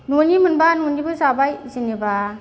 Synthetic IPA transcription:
nonimɯnbanunibɯzabajzineba

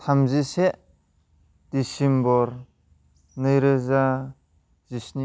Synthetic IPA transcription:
tʰamziseʔ | d̥isimbɔɾ | nɯjɾɯza | z̥isni

